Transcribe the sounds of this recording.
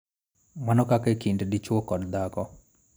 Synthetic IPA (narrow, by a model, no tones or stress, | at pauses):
manɔkakekiɳɖɖit͡ʃuokɔɾd̪aːkɔ